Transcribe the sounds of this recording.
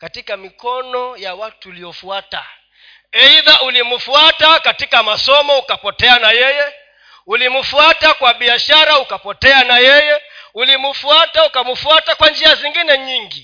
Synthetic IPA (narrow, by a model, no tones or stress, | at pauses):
katikamikɔnɔjawatuːliɔfuata̰ | ɛiðaʔulimufuatakatikamasɔmɔukapɔtɛanajɛjɛ | ulimufuatakwaɓiaʃaɾaukapɔtɛanajɛjɛulimufuataukamufuatakwand͡ʒiaziŋɡinɛɲiŋɡi